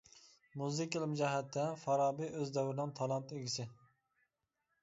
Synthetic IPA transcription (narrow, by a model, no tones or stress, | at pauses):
muzɪkʲilˠɪmd͡ʒɛɦɛt̪ʰːɛfɑɾɑːbiʔøzd̪ɛwɾɪnɨŋt̪ʰɑlˠɑnt̪eɡʲisɪ